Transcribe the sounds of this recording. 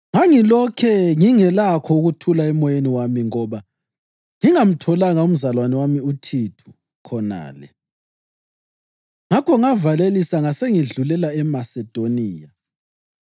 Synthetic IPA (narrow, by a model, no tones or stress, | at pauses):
ŋaŋilɔkʰɛŋiŋɛlakʰɔuɣutʰulaɛmɔjeniwamiŋɔβa | ŋiŋam̩tʰɔlaŋaum̩zalwanɛwamiutʰitʰu̥ | kʰɔna̰ːlɛ̰ | ŋakʰɔŋavalelisaŋaseŋiɮulɛlaɛmasɛd̥ʱoniːja